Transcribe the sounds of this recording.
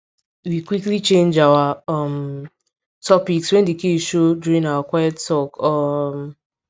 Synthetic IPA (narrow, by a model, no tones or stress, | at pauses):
wikʷiklit͡ʃẽnd͡ʒawaʌm | tʰɔpikswɛ̃ndekeʃoduɾĩŋawakʷajɔttɔkɔm